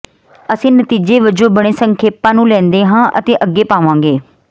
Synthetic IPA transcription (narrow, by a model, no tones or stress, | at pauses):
əsĩːnət̪iːd͡ʒeːʋəd͡ʒõːbəɽ̃eːsəŋkʰeːpãːnũːlɛ̃ːnd̪eːɦãːʔə̰t̪eːʔəɡːeːpaːʋãːŋɡeː